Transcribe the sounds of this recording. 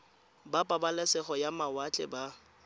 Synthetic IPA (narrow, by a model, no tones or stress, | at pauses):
bapʼabalɛsɛχɔjamawat͡ɬʼɛ̰ba